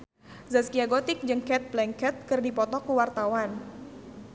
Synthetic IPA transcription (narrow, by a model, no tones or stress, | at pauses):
zaskiaɡot̪ɪk̚d͡ʒɨŋkɛt̪̚blɛŋkɛt̪̚kɨrdipɔt̪ɔkuwart̪awan